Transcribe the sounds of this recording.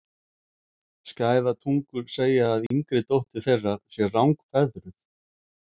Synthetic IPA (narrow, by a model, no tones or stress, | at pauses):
scaːjðat̪ʰuŋkʏɾ̥seːjaːðiŋkɾɪt̪owht̪ɪθejrːasjɛrawŋkfɛðɾʏθ